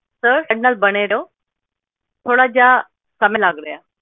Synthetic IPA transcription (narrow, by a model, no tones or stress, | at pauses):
səɾɖnəlbəɽ̃eɾeo | t̪ʰoːɽad͡ʑa | sɐmelaːɡɾəjaː